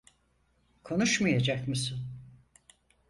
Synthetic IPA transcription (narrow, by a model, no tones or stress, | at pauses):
kʰo̞nuʃmajad͡ʒakmɯsun